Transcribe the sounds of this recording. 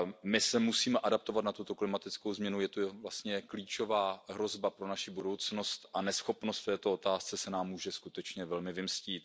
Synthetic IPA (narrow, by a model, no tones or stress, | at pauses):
mɪsɛmusiːmɛʔadap̚t̪o̞vat̪nat̪ut̪oklɪmat̪ɪt͡skowzmɲɛnujɛt̪uvlast̪ɲɛkliːt͡ʃo̞vaːɦɾo̞zbapɾonaʃɪbudo̞wt͡sno̞st̪ʔanɛsxo̞pno̞st̪ft̪ɛːt̪oot̪aːst͡sɛsɛnaːmːuːʒɛskut̪ɛt͡ʃɲɛvɛlmɪvɪmsciːt̪